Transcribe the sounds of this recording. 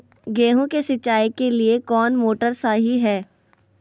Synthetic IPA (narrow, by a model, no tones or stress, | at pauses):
ɡeːɦũkesɪt͡ʃːaːikeliekɔːnmoːʈəɾsaːɦiɦɛː